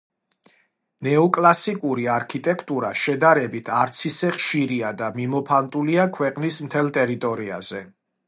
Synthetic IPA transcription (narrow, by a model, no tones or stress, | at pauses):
nɛɔkʼlˠasikʼuɾiaɾkʰit̪ʼɛkʰt̪ʼuɾaʃɛd̪aɾɛbit̪ʰaɾt̪sʰisɛχʃiɾiad̪amimɔpʰant̪ʼuliakʰwɛqʼnismt̪ʰɛlˠt̪ʼɛɾit̪ʼɔɾia̰z̥ɛ